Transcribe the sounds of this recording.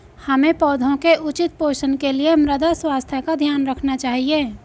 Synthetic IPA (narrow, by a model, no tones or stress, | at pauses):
həmẽpɔːd̪ʱõkeʔʊt͡ʃɪt̪̚poːʃənkeliemɾəd̪aswaːst̪ʰəkad̪ʱjaːnɾəkʰnat͡ʃaːɦieː